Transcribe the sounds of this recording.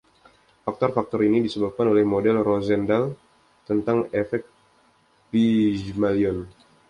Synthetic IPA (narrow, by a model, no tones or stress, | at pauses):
fak̚t̪ɔrfak̚t̪ɔɾinidisəbap̚kanolɛhmodɛlrozɛndal | t̪ənt̪aŋɛfɛk̚ | pid͡ʒmaliɔn